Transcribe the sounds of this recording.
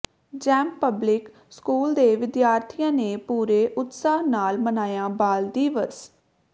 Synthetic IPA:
d͡ʒɛːmpəblɪk | skuːld̪eːʋɪd̪jaːɾt̪ʰɪjãːneːpuːɾeːʔʊt̪saːɦnaːlmənaːjãːbaːld̪iːʋəs

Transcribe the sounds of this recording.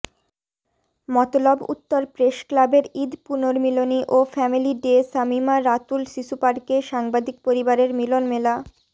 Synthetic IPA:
mɔt̪olɔbṵt̪ːoɾpɾeʃklabeɾid̪punoɾmiloniʔofɛmiliɖesamimaɾat̪ulʃiʃupaɾkeʃaŋbad̪ik̚poɾibaɾeɾmilonmela

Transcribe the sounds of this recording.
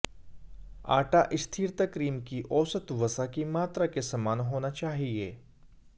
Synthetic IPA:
a̰ːʈaʔɪst̪ʰiːɾt̪akɾiːmkiʔɔːsət̪ʋɐsakimaːt̪ɾakesɐmaːnɦoːnat͡ʃaːɦiḛː

